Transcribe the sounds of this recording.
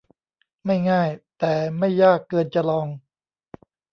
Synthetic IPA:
ma˥˩jŋaː˥˩jt̪ɛː˨˩ma˥˩jːaː˥˩kːɤː˧nt͡ɕa˧lɔː˧ŋ

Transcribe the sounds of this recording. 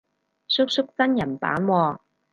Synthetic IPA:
sʊ˥k̚sʊ˥k̚t͡sɐ˥njɐ˨˩npa̰ː˨˥nwɔː˧

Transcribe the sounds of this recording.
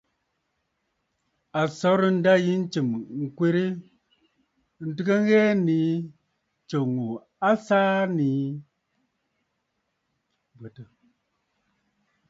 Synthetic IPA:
a˨sɔ˨˦ɾi˦n̩˦da˦ji˦n̩˦t͡ʃi˨mŋ̩˨kwe˦ɾi˦ | n̩˦˨tɨ˦kə˦ŋ˦ɣɛː˦ni˨˦ | t͡ʃo˨ŋu˨ | a˦saː˦ni˨˦ | bə˨tə˨

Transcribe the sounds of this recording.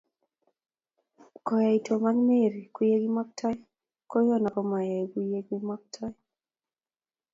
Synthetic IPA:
kɔ˨ja˨i˨tʰo˨ma˦ŋme˦˨ɾi˨ku˦je˦ɡi˦ma˦k̚tʰɔ˦ | ko˦jɔ˦na˨kɔ˦ma˨ja˨iku˦je˦ɡi˦ma˦k̚tʰɔ˦j

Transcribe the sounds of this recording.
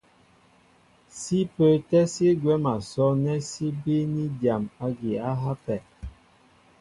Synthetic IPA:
si˦pə˦tɛ˦si˦ɡwɛ˦ma˨sɔ˦nɛ˦si˦bi˦ni˦dja˨ma˦ɡi˨a˦ɦa˦pɛ˨

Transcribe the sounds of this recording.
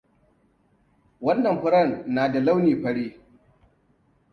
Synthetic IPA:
wɐ˦nːɐ˨mɸʊ˦ɾɐ˦˨nːaː˨da˨la˦wniː˨ɸɐ˦ɽiː˦

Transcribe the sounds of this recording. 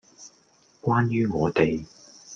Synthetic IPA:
kwaː˥njyː˥ŋɔː˨˧t̪e˨j

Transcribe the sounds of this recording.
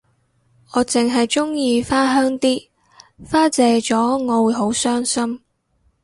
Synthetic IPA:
ŋɔː˨˧t͡sɪ˨ŋɦɐ˨jt͡ʃʊ˥ŋjiː˧faː˥ɦœː˥ŋt̪iː˥ | faː˥t͡sɛː˧t͡sɔː˨˥ŋɔː˨˧wu˨˧jɦo˨˥wsœː˥ŋsɐ˥m

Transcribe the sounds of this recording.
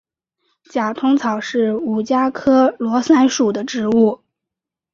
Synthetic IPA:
t͡ɕja˨˩t̪ʰʊ˥ŋt͡sʰɑ˨˩ʊʂɻ̩˥˩u˨˩t͡ɕja˥kʰɤ˥lwɔ˧˥sa˥nʂu˨˩d̪ə˦ʈ͡ʂɻ̩˧˥u˥˩

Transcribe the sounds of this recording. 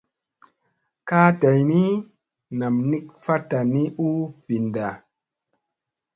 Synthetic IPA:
kaː˦ta˨jni˦ | na˨mni˦kfa˦ta˨ni˦u˦vi˨nda˨

